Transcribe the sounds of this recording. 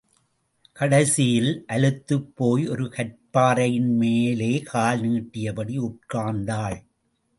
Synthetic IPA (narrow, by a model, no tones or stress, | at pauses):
kɐɽɐsɪjɪlʔɐɻɯt̪ːɯpːoːjɔɾɯkɐʈ̚paːɾɐjɪnmeːleːkʰaːlniːʈːɪjɐpɐɽiʊʈ̚kaːnd̪aːɭ